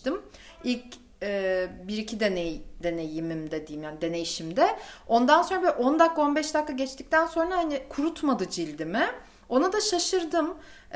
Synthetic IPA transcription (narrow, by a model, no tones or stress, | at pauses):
t̪ɯmilʲc | ɛːbiɾicʰid̪ened̪e̞ne̞jimimd̪ɛd̪ijimjaːnid̪e̞ne̞jiʃimd̪ɛo̞nd̪anso̞nɾabeɾʔo̞nd̪akʰːao̞nbɛʃd̪akʰːaɟɛt͡ʃt̪ic̚t̪ʰænso̞nɾahanɪkʰuɾut̪mad̪ɯd͡ʒilʲd̪imɪ | o̞nad̪aʃaʃɯɾd̪ɯm